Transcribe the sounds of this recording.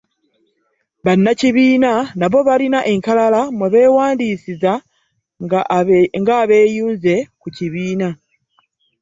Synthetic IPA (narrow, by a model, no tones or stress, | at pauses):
βanːaciβiːnanaβo̞βalinaʔe̞ŋkalalamweβe̞ːwaːndiːsiza | ŋɡaːβe̞ːjuːnze̞kuciβiːna